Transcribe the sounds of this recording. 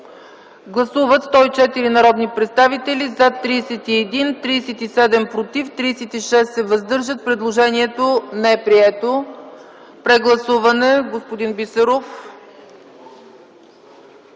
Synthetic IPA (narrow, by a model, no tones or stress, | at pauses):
ɡlˠɐsuvət̪st̪ɔit͡ʃɛt̪iɾinɐɾɔd̪nipɾɛt̪st̪avit̪ɛlizat̪ːɾiːsɛt̪iɛd̪int̪ɾiːsɛt̪isɛd̪ɛmpɾot̪ift̪ɾiːsɛt̪iʃɛst̪ːɛvəzd̪ɤɾʒət̪̚pɾɛd̪lˠoʒɛniɛt̪onɛɛpɾiɛt̪o | pɾɛɡlˠɐsuvɐnɛɡospod̪inbisɛɾof